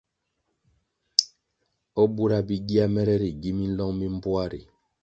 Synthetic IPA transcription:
ɔ˦bu˦ɾa˦bi˦ɡi˦a˦mɛ˦ɾɛ˦ɾi˨ɡi˦mi˦n̩˦lɔ˦ŋmi˦m̩˦bwa˦ɾḭ˨

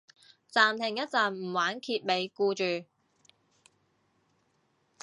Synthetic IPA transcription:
t͡saː˨mt̪ʰɪ˨˩ŋjɐ˥t̚t͡sɐ˨nm̩˨˩waː˨˥nkʰiː˧t̚me˨˧jkuː˧t͡ʃyː˨˩

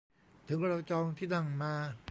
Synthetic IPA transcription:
t̪ʰɯ˩˦ŋɾa˧wt͡ɕɔː˧ŋt̪ʰiː˥˩d̪a˧˩ŋmaː˧

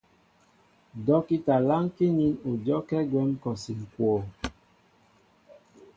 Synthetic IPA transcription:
dɔ˦ki˦ta˨la˦ŋki˦ɲi˦nu˨d͡ʒɔ˦kɛ˦ɡwɛ˦m˦kɔ˨si˨ŋ̩˨kwɔ˨

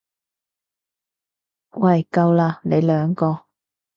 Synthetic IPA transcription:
wɐ˨˩jkɐ˧wlaː˧ne˨˧jlœː˨˥ŋkɔː˧

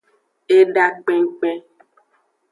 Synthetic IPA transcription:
e˦ɖa˦k͡pe˦ŋ̩˦k͡pɛ˦

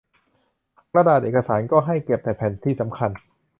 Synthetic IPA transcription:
kɾa˧daː˨˩t̪̚ʔeː˨˩ka˧saː˩˦nkɔː˥˩ɦa˥˩jke˨˩p̚t̪ɛː˨˩pʰɛː˨˩˦nt̪ʰiː˥˩sa˩˦mkʰa˧n

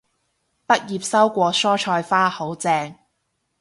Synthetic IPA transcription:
pɐ˥t̚jiː˨p̚sɐ˥wkʷɔː˧sɔː˥t͡ʃʰɔː˧jfaː˥ho˨˥wt͡sɛː˧ŋ

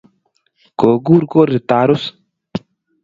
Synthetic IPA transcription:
ko˨ɡu˦ɾko˦ɾi˨t̪a˨ɾu˦s

